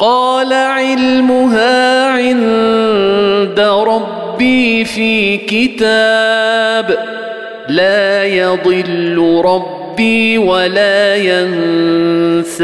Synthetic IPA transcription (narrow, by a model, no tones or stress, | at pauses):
qɑːlaʕɪlmʊɦaːʕɪn | d̪aɾˤɑbːiːfiːkɪt̪aːb | laːjɑd̪ˤɨlːʊɾˤɑbːiːwalaːjan | sa